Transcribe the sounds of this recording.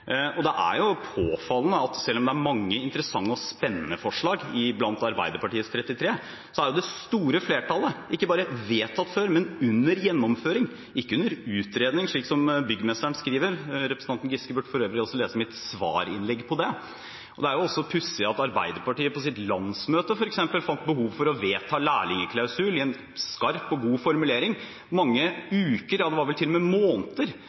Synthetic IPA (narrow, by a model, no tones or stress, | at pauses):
ɔd̪ɛʔæ̰ɾjʊpʰoːfɑlnəɑt̪sɛlːɔmd̪ɛæɾmɑŋːəɪnt̪əɾəsɑŋːəɔspɛnːənəfɔʂɭɑːɡɪblɑnt̪ɑɾbæ̰ɪd̪əɾpɑʈiːət̪st̪ʰɾɛt̪ːɪt̪ʰɾeː | sɔæɾjʊd̪ɛst̪uːɾəfleːʈʰɑləʔɪkːəbɑːɾəʋeːt̪ʰɑt̪ːføːɾmɛnʉnːəɾjɛnːɔmføːɾɪŋ | ɪkːəʉnːəɾʉːt̪ɾeːd̪nɪŋʂɭiːksɔmbʏɡːəmɛst̪əɳskɾiːʋəɾɾɛpɾəs̩ɑnnɡɪskəbʉːʈfɔɾøːʋɾəɔlsɔleːsəmɛt̪sʋɑ̰ːɾɪ̰nlɛɡːpʰɔd̪ɛ | ʔɔd̪ɛæɾjʊɔsːɔpʰʉsːəɑt̪ɑɾbæ̰ɪd̪əɾpɑʈiːəpɔs̬ɪt̪lɑnsmøːt̪əfɔɾɛksɛmpəlfɑnt̪̚bəhuːʋfɔɾɔʋeːt̪ʰɑːlæːɭɪŋəkʰlɑʉsʉːlɪɛn | skɑɾpɔɡuːfɔɾmʉleːɾɪŋ | mɑŋːəʉːkəɾjɑd̪ɛʋɑɾʋɛlt̪ʰɪlːɔmɛmoːnt̪əɾ